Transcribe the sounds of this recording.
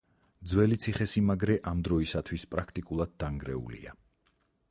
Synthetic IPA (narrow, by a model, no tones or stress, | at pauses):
d̪zwɛlit̪sʰiχɛsimaɡɾɛʔamd̪ɾɔisat̪ʰwispʼɾakʰt̪ʼikʼulˠad̪̚ːaŋɡɾɛ̰ṵlḭa